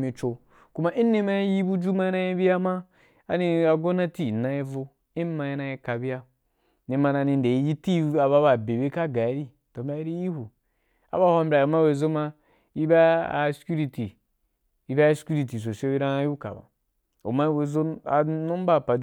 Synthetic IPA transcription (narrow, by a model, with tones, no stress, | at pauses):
mi˨t͡ʃo˨ | ku˦ma˦ʔi˦ne˦ma˦ji˦ji˦bu˦d͡ʒu˦ma˦ji˦na˦ji˦bi˦a˦maː˦˨ | ni˧a˨ɡo˦na˦ti˦˨na˨˦ji˦vo˦ | i˦ma˧ji˦na˧ji˧ka˨bi˦ja˦ | ne˨ma˧na˧ni˧n˨de˨i˦ji˦ti˦a˨βa˦ba˨be˨be˦ka˦ɡa˨i˨˦ɾi˦ | to˨˦bʲɾa˦i˦ɾi˦ji˦hu˨ | a̰˨ba˦˨ha˦m˦bʲɾʲa˨o˨ma˦we˨zo˦ma˦ | i˦ba˦a˨˦skʲu˦ɾi˨ti˨ | i˦ba˦skʲu˦ɾi˨t̬i˨s̬o˨si˦ɾã˦ju˦ka̰˨ba̰˨ | o̰˨ma˦we˨zo˦a̰˨no˦m˦ba˦˨pa˨